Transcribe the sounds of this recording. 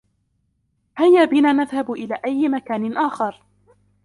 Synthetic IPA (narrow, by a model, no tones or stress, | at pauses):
hajːaːbɪnaːnaðhabʔɪlaːʔajːɪmakaːnɪnʔaːxɑɾˤ